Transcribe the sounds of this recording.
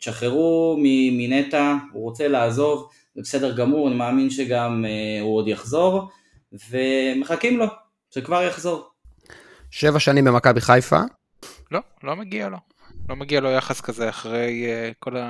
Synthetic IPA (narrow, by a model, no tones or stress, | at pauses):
ʃaχeʁumiminetauʁo̞t͡se̞laːzo̞v | zebesede̞ʁɡamuʁanimaːminʃeɡamuodjaχzo̞ʁ | ve̞me̞χakimlo̞ | ʃekvaʁjaχzo̞ʁ | ʃevaʃanimbemakabiχajfa̰ | lo̞ | lo̞meɡialo̞ | lo̞meɡialo̞jaχaskazeaχʁejkola